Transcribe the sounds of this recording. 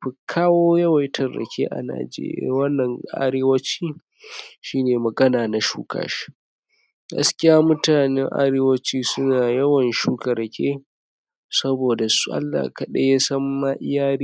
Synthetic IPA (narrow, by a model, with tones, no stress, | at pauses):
ɸɪ˨kʰaː˦woː˦jɐ˦wa˨˦tʰɐ˨ɽːɐ̰˨kʲḛː˦ʔa̰˨na̰ː˨d͡ʒḛː˦ɾɪ̰˦a̰˦wɐ˦nːɐ˨ŋʔa̰˦ɾeː˦wɐ˦t͡ʃiː˦ | ʃiː˦neː˨mɐ˨ɡɐ˦naː˨na˨ʃṵː˦kʰa̰ː˨ʃi̥˦ | ɡɐ̰˦skʲɪ˦jaː˦mʊ˦taː˨nɛ̰˦ŋʔa̰˦ɾeː˦wɐ˦t͡ʃiː˦sʊ˦naː˨jɐ˦wɐ˨nʃuː˦kɐ˨ɾɐ˨kʲḛː˦ | sɐ˦boː˨da˨su̥˦ʔa̰˦lːa̰ː˨kɐ˨ɗɐ˦ja˦sɐ˦mːa˦ʔɪ̰˦jaː˦ɾiː˦